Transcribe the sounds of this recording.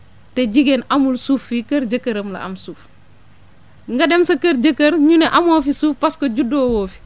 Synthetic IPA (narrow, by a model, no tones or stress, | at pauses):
tɛɟiɡenʔɐmulsuːfːikɐɾɟəkːɐɾɐmlɐ̰ʔɐ̰msuːf | ŋɡɐdɛmsɐkɐɾɟɐkːɐɾɲunɛʔɐmɔːfisuːfpɐskoɟudːɔːwɔːfi̥